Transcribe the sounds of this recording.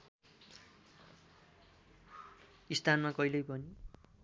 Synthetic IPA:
ist̪ʰanmakʌjlʌjpʌni

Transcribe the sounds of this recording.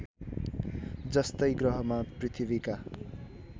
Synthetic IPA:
d͡zʌst̪ʌjɡrʌɦʌmaprit̪ʰibika

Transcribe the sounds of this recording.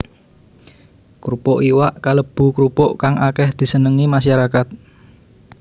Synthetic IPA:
kɾupɔʔiwaʔkaləb̥ṳkɾupɔʔkaŋakɛhd̪̥i̤sənəŋimaʃaɾakat̪̚

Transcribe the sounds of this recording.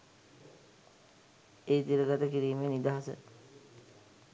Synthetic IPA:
eːt̪iɾəɡat̪əkiɾiːmenid̪aːɦasə̰

